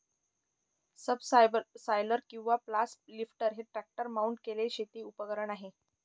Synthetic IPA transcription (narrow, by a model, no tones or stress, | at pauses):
səbssajləɾkĩw̃ʋaplaslifʈəɾɦeʈɾæk̚ʈəɾmauɳʈkeleɕet̪iːupəɡəɾəɳaɦe